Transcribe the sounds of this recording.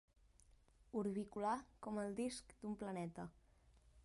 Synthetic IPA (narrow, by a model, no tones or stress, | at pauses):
uɾβikulakɔməlˠd̪iskd̪umplənɛt̪ə